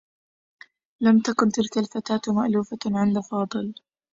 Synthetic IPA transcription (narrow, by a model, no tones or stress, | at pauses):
lamt̪akʊnt̪ɪlkalfat̪aːt̪maʔluːfaʕɪnd̪afɑːd̪ˤɨl